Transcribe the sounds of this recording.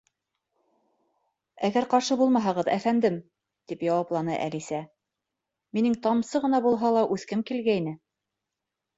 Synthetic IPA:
æɡæɾqɑɾʃɤbulˠmɑɦɑʁɤðæ̰fænd̪ɘm | t̪ipjɑwɑplˠɑnɤ̰ʔæ̰lisæ | minɘŋt̪ɑmsɤʁɤ̆nɑbulˠɦɑlˠɑʔʉθkɘmkilɡæjnɘ

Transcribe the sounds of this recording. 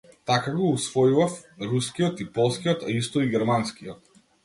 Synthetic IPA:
t̪akaɡɔusvɔjuvafɾuskiɔt̪ipɔlˠskiɔt̪a̰ist̪ɔiɡʲɛɾmanskijɔt̪̚

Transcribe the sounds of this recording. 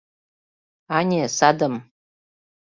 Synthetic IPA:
anʲesad̪əm

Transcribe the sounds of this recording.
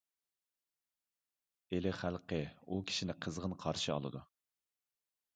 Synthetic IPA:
elɪχælˠqəukʲʰi̥ʃinɪqʰəzʁənqʰɑɾʃiɑ̰lˠɨ̰d̪u

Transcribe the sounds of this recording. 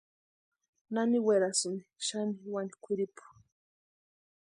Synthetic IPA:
naniweɾasuniʃaniwani̥kʷiɾipu̥

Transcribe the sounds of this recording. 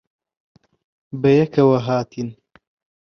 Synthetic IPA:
bɐjɐkʰɐwɐɦaːt̪ʰin

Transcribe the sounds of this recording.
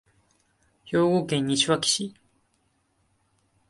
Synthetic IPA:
joːɡokẽɲ̟ːiɕiβakʲi̥ɕi

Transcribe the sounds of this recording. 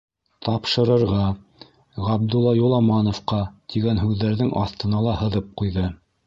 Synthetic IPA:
t̪ʰɑpʃɤ̆ɾɤ̆ɾʁɑ | ʁɑb̚d̪ulˠːɑjulˠɑmɑnŏfqɑt̪ʰiɡænɦʉðːæɾðɘŋʔɑ̰θt̪ɤ̆nɑlˠɑhɤ̆ðɤp̚qujðɤ

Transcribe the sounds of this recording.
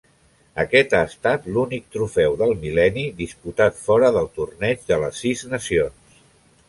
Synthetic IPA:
əkɛt̪aəst̪at̪lunik̚t̪ɾufɛwðəlˠmilɛniðisput̪at̪fɔɾəðəlˠt̪urnɛd͡ʒðələsːiznəsions

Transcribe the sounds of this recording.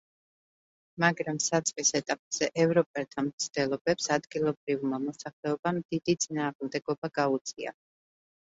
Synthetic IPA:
maɡɾamsat̪sʼqʼisɛt̪ʼapʼz̥ɛʔɛvɾɔpʼɛlˠt̪ʰamt̪sʰd̪̥ɛlˠɔbɛpsad̪ɡilˠɔbɾivmamɔsaχlɛɔbamd̪id̪it̪sʼinaːʁmd̪ɛɡɔbaɡaut̪sʼia̰

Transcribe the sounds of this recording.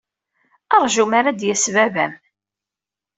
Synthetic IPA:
ɑɾˤʒumaɾad̪jæsvævæ̰m

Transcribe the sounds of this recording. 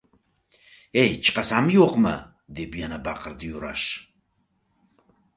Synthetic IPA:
ɛjt͡ʃʼqʼasamjɔqʼma̰ | d̪ɛbjanabaqʼəɾd̪ijuɾa̰ʃ

